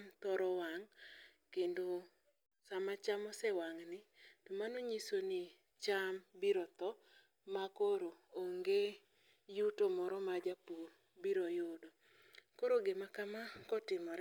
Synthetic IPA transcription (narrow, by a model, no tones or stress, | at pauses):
mt̪ɔɾɔwaŋkendo | samat͡ʃamɔsɛwaŋnɪtomanoɲisonɪ | t͡ʃambiɾɔt̪ɔ | makoɾooŋɡe | jutomɔɾɔmad͡ʒapuɾ | biɾɔjodo | koɾoɡemakamakɔtɪmɔɾ